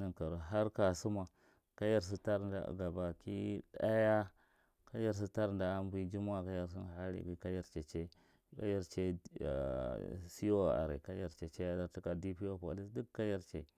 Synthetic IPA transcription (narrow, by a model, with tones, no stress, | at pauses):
na˨nka˨ɾo˨ɦa˦ɾka˨su˦ma˨ | ka˦ja˦ɾs̬i˦ta˦ɾda̰˨ɡa˨ba˨ki˦da˦ja˦ | ka˦ja˦ɾs̬i˦ta˦ɾnda˨˦mbi˦d͡ʒi˦m˦a˦ka˦ja˦˨ɾs̬i˦n˨ha˦ɾḭ˨ɡi˨ka˦ja˦ɾt͡ʃe˨t͡ʃe˦ | ka̰˦ja˦ɾt͡ʃḛ˦˨ | si˦o˦a̰˨ɾḛ˨ka˦ja˦ɾt͡ʃe˨t͡ʃe˦a˦da˨ɾti˦ka˨di˦pi˦o˦po̰˨li˦sdu˦kkːa˦ja˦ɾt͡ʃḛ˨